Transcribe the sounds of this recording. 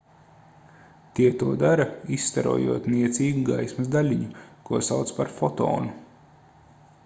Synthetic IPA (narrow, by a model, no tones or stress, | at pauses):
t̪iɛt̪uɔd̪aɾɐisːt̪aɾṵɔjṵɔt̪niɛt̪siːɡuɡajsmɐzd̪alʲiɲukuɔsawt̪spaɾfɔt̪ɔ̰ːnu